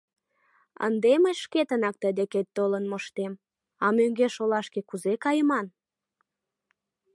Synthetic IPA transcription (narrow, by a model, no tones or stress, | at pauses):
ə̰nd̪eməjʃket̪ənɑk̚t̪əd̪eket̪ːolənmoʃt̪em | ɑmøŋɡeʃolɑʃkekuzekɑjəmɑn